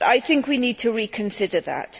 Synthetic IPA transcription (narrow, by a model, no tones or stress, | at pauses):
a̰ɪθɪ̃ŋkwiniːd̚tʰəɹiːkʰə̃nsɪdəða̰t